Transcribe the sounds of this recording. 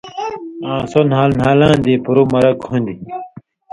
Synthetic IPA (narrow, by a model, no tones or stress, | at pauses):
ãːsonhaːlnɦaːlãːnd̪ipuɾumɐɾɐkhũnd̪i